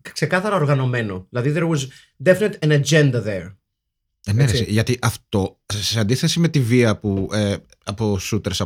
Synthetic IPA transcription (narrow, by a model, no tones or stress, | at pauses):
kse̞kɐθɐɾɐoɾɣɐno̞me̞no̞ðilɐðiðeɾɣoz | d̪efnet̪ɐnɐd͡ʒe̞nd̪ɐðeɾ | emeɾesiʝɐt̪iʔɐft̪o̞seɐnd̪iθe̞sime̞t̪iviɐpue | ɐposut̪eɾsɐ